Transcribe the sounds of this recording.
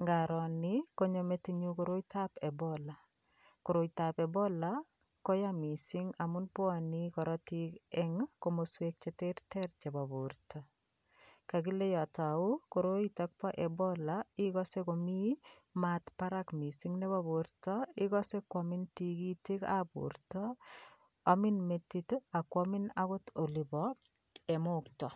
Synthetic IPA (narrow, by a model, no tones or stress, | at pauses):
ŋɡaɾɔnɪkoɲometiɲukoɾoitapɛbɔla | koɾoitapɛbɔla | kɔjamisɪŋamʊnpwanikɔɾɔtikɛŋkomoswek̚t͡ʃɛteɾtɛɾt͡ʃɛbaboɾtʰɔ | kakilejɔtɔaʊkoɾoitak̚pɔʔɛbɔlaikɔsekomi | matpaɾakmisiŋnebɔbuɾtɔikɔsekwɔmɪntikitikabṵɾtɔ | amɪnmetːitoakwɔmɪnakʊtolibɔ | ɛmoktɔ